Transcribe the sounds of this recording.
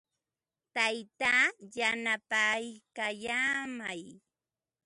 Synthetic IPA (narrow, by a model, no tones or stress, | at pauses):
t̪ajt̪aːjanapajkajaːmaj